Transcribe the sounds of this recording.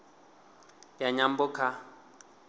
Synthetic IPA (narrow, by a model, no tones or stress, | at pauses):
jaɲambʊkʰa